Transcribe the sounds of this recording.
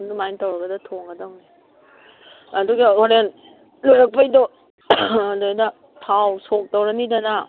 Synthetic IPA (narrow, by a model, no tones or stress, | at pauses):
ndumajntɐwɾɐɡɐdɐtʰoŋɡɐdɐwni | ɐduɡioɾen | lojɾɐk̚pɐjdɔ | donɐ | pʰawsok̚tɐwɾɐnidɐnɐ